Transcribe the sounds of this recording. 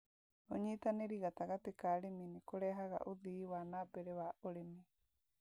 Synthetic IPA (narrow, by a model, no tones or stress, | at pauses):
oɲiːt̪aneɾiɣat̪aɣatekaɾeminekoɾɛɦaɣa̰ʔoðiwanaːbeɾewaʔoɾemi